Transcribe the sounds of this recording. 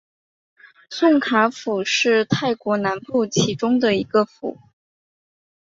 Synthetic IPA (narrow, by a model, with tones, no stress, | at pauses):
sʊ˥˩ŋkʰa˧˥fu˨˩ʂɻ̩˥˧t̪ʰa˥˩ɪkwɔ˧˥na˧˥npu˥˩t͡ɕʰi˧˥ʈ͡ʂʊ˥ŋd̪ə˨˩i˧˥ɡə˧fṵ˨˩˦